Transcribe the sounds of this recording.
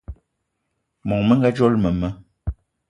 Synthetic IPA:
mɔ˨ŋmə˦ŋ˦ɡa˦d͡ʒɔ˦lmə˨mə˦

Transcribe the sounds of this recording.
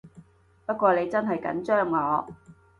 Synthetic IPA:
pɐ˥t̚kʷɔː˧le˨˧jt͡sɐ˥nɦɐ˨jkɐ̰˨˥nt͡ʃœː˥ŋːɔː˨˧

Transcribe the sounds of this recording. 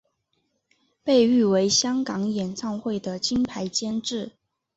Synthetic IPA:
pe˥˧ɪy˥˩we˧˥ɪɕjɑ˥ŋkɑ˧˥ŋjɛ˨˩nt͡sʰɑ˥˧ŋxwe˥˩ɪd̪ə˩t͡ɕʰi˥npʰa˧˥ɪt͡ɕjɛ˥nʈ͡ʂɻ̩˥˩

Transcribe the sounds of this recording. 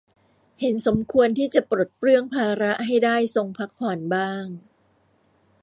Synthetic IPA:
he˩˦nso˩˦mkʰu˧ənt̪ʰiː˥˩t͡ɕa˨˩pɾo˨˩t̪̚pɾɯ˥˩əŋpʰaː˧ɾa˦˥ʔɦa˥˩jdaː˥˩jso˧ŋpʰa˦˥k̚pʰɔː˨˩nbaː˥˩ŋ

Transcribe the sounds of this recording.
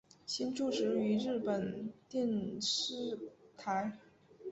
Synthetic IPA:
ɕi˥nʈ͡ʂu˥˩ʈ͡ʂɻ̩˧˥y˧˥ɻɻ̩˥˩pə˨˩nt̪jɛ˥˩nʂɻ̩˥t̪ʰa˧˥ɪ

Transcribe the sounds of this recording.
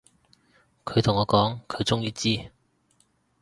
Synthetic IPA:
kʰɵ˨˧ɥt̪ʰʊ˨˩ŋɔː˨˧kɔː˨˥ŋkʰɵ˨˧ɥt͡sʊ˥ŋjiː˧t͡siː˥

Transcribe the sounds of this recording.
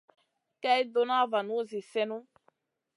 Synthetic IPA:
kɛ˦i˦do˧na˦va˨nu˦zi˨sɛ˦nũ˦

